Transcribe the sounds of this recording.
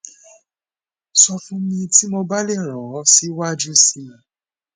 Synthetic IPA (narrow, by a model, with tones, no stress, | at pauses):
sɔ˧fũ˦mĩ˧ti˦mo˧ba˦le˦˨ɾ̃ã˨˦si˨˦wa˦˨d͡ʒu˦si˧˨